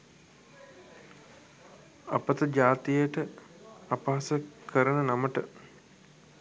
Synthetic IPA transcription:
a̰pət̪əd͡ʒaːt̪ijəʈə | apaːasəkʰəɾənənaməʈə

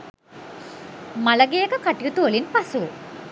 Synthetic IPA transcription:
maləɡejəkəkaʈijut̪uʋəlinpasu

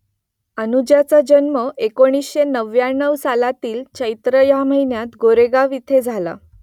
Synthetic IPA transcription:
ənud͡ʑjat͡sad͡ʑənməekoɽ̃isɕenəʋjaɳːəwsalat̪iːlt͡ɕəjt̪ɾəjam̤əinjat̪ɡoɾeɡaʋit̪ʰed͡zʱala̰

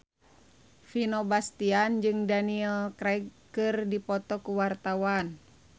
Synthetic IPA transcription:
finɔbast̪iand͡ʒɨŋdaniɛlkɾɛɡkɨrdipɔt̪ɔkuwart̪awan

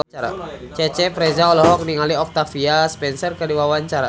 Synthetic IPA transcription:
aɾa̰t͡ʃɛt͡ʃɛfɾɛzaɔlɔɦɔk̚niŋaliɔk̚t̪afiaspɛnsɔrkədiwawaɲt͡ʃaɾa

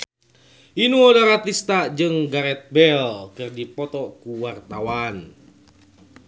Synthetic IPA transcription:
ʔinuɔdaɾat̪ist̪ad͡ʒɨŋɡaɾɛt̪̚bɛlkɨrdipɔt̪ɔkuwart̪awan

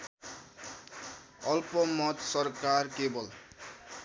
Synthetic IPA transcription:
ʌlpʌmʌt̪sʌrkarkebʌl

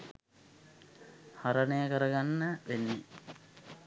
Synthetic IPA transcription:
haɾənəjəkəɾəɡanːəʋenːi

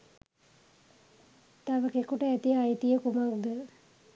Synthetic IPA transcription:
t̪aʋəkekuʈəæt̪ijajət̪ijəkumakd̪ə

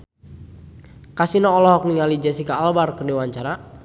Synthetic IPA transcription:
kasinɔɔlɔɦɔk̚niŋalid͡ʒɛsikaːlbarkərdiwaɲt͡ʃaɾa

